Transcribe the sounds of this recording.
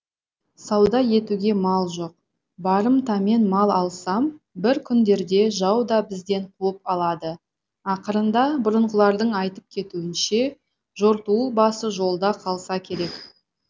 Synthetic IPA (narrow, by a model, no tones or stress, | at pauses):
sɑwd̪ɑje̞t̪uɡʲe̞mɑlˠʒo̞q̚ | bɑɾəmt̪ɑme̞nmɑlˠɑlˠsɑm | bɪɾkʲʰʏnd̪e̞ɾd̪e̞ʒɑwd̪ɑbɪzd̪e̞ɴqʰuəp̚ɑlˠɑd̪ə | ɑqəɾənd̪ɑbʊɾəɴʁəlˠɑɾd̪əɴɑjt̪əp̚kʲʰe̞t̪uɪnʃe̞ | ʒo̞ɾt̪uwəbɑsəʒo̞lˠd̪ɑqʰɑlˠsɑkʲʰe̞ɾe̞k